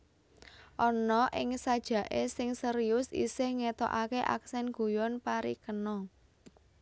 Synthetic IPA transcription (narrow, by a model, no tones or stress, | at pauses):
ʔɔnɔʔɪŋsad̥ʒ̥ä̤ʔesɪŋsəɾiʊsḭsɪhŋet̪ɔ̰ʔakeʔa̰ksɛnɡ̥ṳjɔnpaɾikənɔ